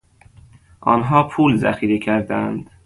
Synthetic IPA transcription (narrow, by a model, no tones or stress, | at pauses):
ʔɒ̰ːnɦɒːpʰuːlzæ̰xiːɾicʰæɾd̪æænd̪̥